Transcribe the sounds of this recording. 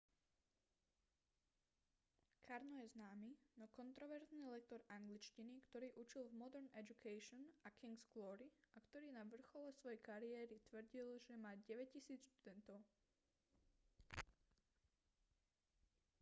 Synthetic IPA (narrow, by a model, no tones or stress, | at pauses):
kʰaɾnɔjɛznaːminɔkɔnt̪ɾɔʋɛɾzniːlɛk̚t̪ɔɾaŋɡlit͡ʃcinikt̪ɔɾiːʔut͡ʃilvmɔd̪ɛɾnɛd͡ʒukʰɛʃɔnakʰiŋɡsklɔɾiakt̪ɔɾiːnaʋr̩xɔlɛsʋɔjɛkaɾiɛːɾit̪ʋr̩ɟilʒɛmaːɟɛʋɛc̚cːisiːt͡sʃt̪ud̪ɛnt̪ɔʊ